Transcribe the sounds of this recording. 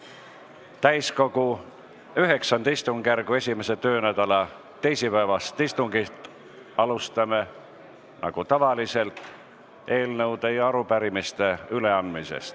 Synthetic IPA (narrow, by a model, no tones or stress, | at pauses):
t̪æjsko̞ɡ̥u | yɦe̞ksɑnd̪ist̪uŋɡ̥ærɡ̥ue̞sʲime̞se̞t̪ø̞ːnæd̪ɑlɑ | t̪e̞jsipæevɑst̪ist̪uŋɡit̪ | ɑlust̪ɑme̞ | nʔɑ̰ɡ̥ut̪ɑvɑlise̞lt̪ | e̞ːlnɤwd̪ejɑɾupæɾimist̪e̞yle̞ɑnd̪misḛst̪